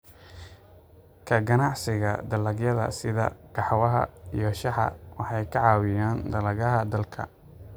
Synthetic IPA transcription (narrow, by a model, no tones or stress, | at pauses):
kʰɐɡɐnɑʕsɪɣɐ̰d̪ɐlɐɡjɐðɐ̰sɪðɐ̰ɡ̥ɑħwɐɦɐ̰ijɞʃɑħɑ̰wɑħɑjkʰɐʕɑwɪjaːnd̪ɐlɐɣɐɦɐd̪ɐlkʰɐ̰